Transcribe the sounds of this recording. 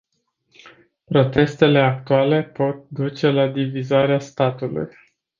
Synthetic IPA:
pɾo̞t̪e̞st̪e̞le̞ak̚t̪uale̞po̞t̪̚d̪ut͡ʃe̞lad̪ivizaɾeast̪at̪ulṵj

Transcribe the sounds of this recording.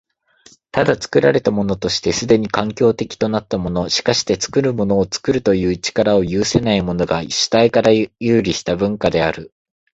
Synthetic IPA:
t̪ad̪at͡sɨ̥kɯ̟ɾaɾe̞t̪amo̞no̞t̪o̞ɕi̥t̪e̞sɨd̪e̞ɲ̟ikãŋkʲo̞ːt̪e̞kʲi̥t̪o̞nat̪ːamo̞no̞ɕi̥kaɕi̥t̪e̞t͡sɨ̥kɯ̟ɾɯ̟mo̞no̞ːt͡sɨ̥kɯ̟ɾɯ̟t̪o̞jɯ̟ːt͡ɕi̥kaɾao̞jɯːse̞naimo̞no̞ɡaɕi̥t̪aikaɾajɯːɾʲiɕi̥t̪abɯ̟̃ŋkad̪e̞aɾɯ̟

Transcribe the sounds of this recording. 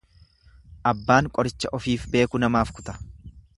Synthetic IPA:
ʔɐbːaːŋkʼɔɾɪt͡ʃːɐʔɔfiːfbe̞ːkʊnɐmaːfkʊ̥t̪ɐ̥

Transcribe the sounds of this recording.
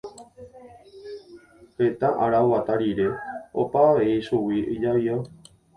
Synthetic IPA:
pe̞t̪aʔaɾaoβat̪aɾiɾe̞o̰paʋeiʃuwiid͡ʒaβio

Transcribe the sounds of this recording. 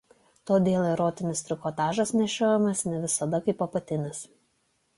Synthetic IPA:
t̪oːd̪ʲeːlˠɪɾoːt̪ʲɪnʲɪst̪ʲɾʲɪkoːt̪ɑːʒɐsnʲɛʃʲoːjɛmɐsnʲɛʋʲɪsɐd̪ɐkɐɪpɐpɐt̪ʲɪnʲɪs

